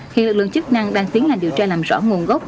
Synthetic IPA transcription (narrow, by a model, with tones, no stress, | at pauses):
ɦḭ˧˨nlɨ˨˩k̚lɨ̰˧˨t͡ɕɨ˦˥k̚na˧ŋɗaː˧ŋt̪ʰi˨˦ənlaː˨˩mɗi˨˩əwt͡ɕaː˧laː˨˩mzɔ̰˧˥˩ŋu˨˩ənɣɔ˦˥k͡p̚